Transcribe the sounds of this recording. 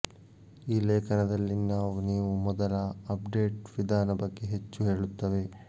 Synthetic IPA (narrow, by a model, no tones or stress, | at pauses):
iːleːkʰɐnɐd̪ɐlːinaːʋuniːʋumɔd̪ɐlɐɐpɖe̞ːʈʋid̪ʱaːnɐbɐɡːeɦet͡ʃːuɦe̞ːɭut̪ːɐʋe̞